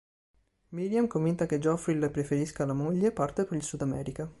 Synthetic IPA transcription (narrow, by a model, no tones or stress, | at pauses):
miɾjamkomvint̪aked͡ʒɔfɾilpɾefeɾiskalamoʎːepːart̪epeɾilsud̪amɛ̰ːɾika